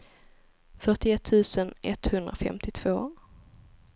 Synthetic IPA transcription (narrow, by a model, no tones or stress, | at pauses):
fœʈɪɛt̪ʰːʉ̟ːsənɛt̪hɵnd̪ɾafɛ̰mt̪ɪt̪ʰv̥oː